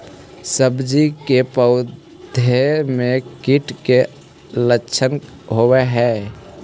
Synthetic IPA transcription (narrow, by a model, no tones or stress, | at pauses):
səbd͡ʒikepəʊ | d̪ʱemẽkiʈke | ləːʃʰən | ɦoweɦɛː